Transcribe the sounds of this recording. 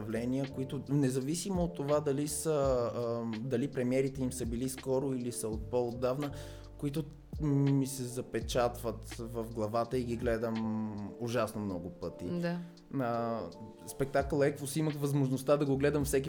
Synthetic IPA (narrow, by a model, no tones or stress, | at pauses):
ɐvlɛniəkoit̪ʊnɛzɐvisimoːt̪ːovad̪ɐlisə | d̪ɐlipɾɛmiɛɾit̪ɛimsəbiliskɔɾoilisəot̪̚pɔod̪ːavnə | koit̪̬ʊ | misɛzɐpɛt͡ʃat̪vət̪vəfɡlˠɐvat̪əiɡiɡlɛd̪əmʊʒasnomnɔɡʊpɤt̪ḭd̪a | spɛk̚t̪akəlˠɛkvʊsiməxvɐzmoʒnost̪ad̪ɐɡoɡlɛd̪əmfsɛk̬ʲi